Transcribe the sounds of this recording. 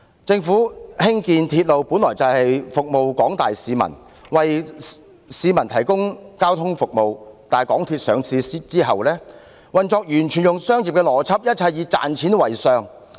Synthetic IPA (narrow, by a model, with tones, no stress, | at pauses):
t͡sɪ˧ŋfuː˨˥hɪ˥ŋkiː˧nt̪ʰiː˧t̚lo˨˧wpuː˨˥nlɔː˨˩jt͡sɐ˨whɐ˨jfʊ˨k̚mo˨wkɔː˨˥ŋt̪aː˨jsiː˨˧mɐ̰˨˩n | wɐ˨j | siː˨˧mɐ˨˩nt̪ʰɐ˨˩jkʊ˥ŋkaː˥wt̪ʰʊ˥ŋfʊ˨k̚mo˨wt̪aː˨jkɔː˨˥ŋt̪ʰiː˧t̚sœː˨˧ŋt͡sʰiː˨˧si˥t͡siː˥ɦɐ˨wlɛː˥ | wɐ˨˩nt͡sɔː˧k̚jyː˨˩nt͡ʃʰyː˨˩njʊ˨ŋsœː˥ŋjiː˨p̚kɛː˧lɔː˨˩t͡sʰɐ˥p̚jɐ˥t̚t͡sʰɐ˧jiː˨˧t͡sa̰ː˨nt͡sʰiː˨˥nwɐ˨˩jsœː˧ŋ